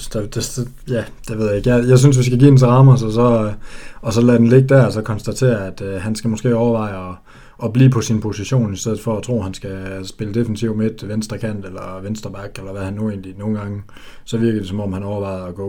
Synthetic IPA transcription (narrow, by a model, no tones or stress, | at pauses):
d̥ed̥e̥ | jæ | d̥eʋeð̞̰ˠjaeɡ̥jajɑ̈ɪsynsʋisɡ̥æɡ̥ḭːd̥ens̬ɑ̈ːmɐsɒ̽sɒ̽ | ɒ̽sɒ̽læd̥enle̝ɡ̥əd̥æɐɒsɒ̽kʰɒ̽nsd̥æt͡sʰe̝̰ːɐæd̥ɦænsɡ̥æmo̽sɡ̥e̝̰ːɒʊɐʋɑ̈ɪ̰ɒ̽ | ɒ̽b̥lḭːpʰɒ̽sinpʰo̝siɕo̝̰ːnisd̥eð̰̩ˠfɒ̽æt͡sʰʁo̝̰ːhænsɡ̥æsb̥e̝ləd̥e̝fənit͡sʰiʊmed̥ʋensd̥ɐkʰæn̰d̥elɐʋensd̥ɐb̥ɑ̈ɡ̥elɐʋæhænːue̝̰ːnlino̝ːn̩ɡ̥ɑ̈ŋə | sɒ̽ʋiɐɡ̥ð̩ˠd̥esɒ̽mɒ̽m̰hænɒʊɐʋɑ̈ɪð̞̩ˠɒɡ̥ɔ̰